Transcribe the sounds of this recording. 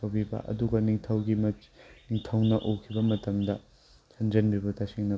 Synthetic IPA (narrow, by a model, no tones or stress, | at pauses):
ɐwbibɐ̰ʔɐ̰duɡɐniŋtʰɐwɡimniŋtʰɐwnɐʔokʰibɐmɐtɐmdɐ | sʰɐnd͡ʒɐnbibɐtasiŋnɐ